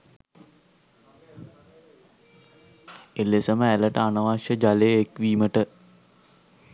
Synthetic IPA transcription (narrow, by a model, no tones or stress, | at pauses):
elːesəməæləʈəanəʋaʃjəd͡ʒaleekʋiːməʈə